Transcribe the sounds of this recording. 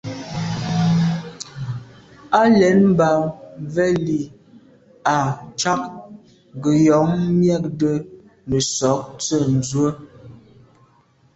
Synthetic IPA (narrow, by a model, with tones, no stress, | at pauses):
a˦lɛ˨˦nm˦ba˨vɛ˦li˨ | a˨t͡ʃa˦k | ɡə˨jɔ˨˦ŋmjɛ˦˨k̚də˦ | nə˨sɔ˨˦k̚t͡sə˦˨n̩˨zwə˦